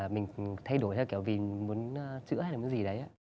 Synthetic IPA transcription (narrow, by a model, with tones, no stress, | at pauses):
mï˨˩ŋ̟t̪ʰa˧jɗo˧˩jt̪ʰkɛ˧˩wvi˨˩mu˨˦ənː˧t͡ɕɨ̰˧˥aː˦˧jlaː˨˩m˨˦nzi˨˩ɗə˨˦jʔaː˨˦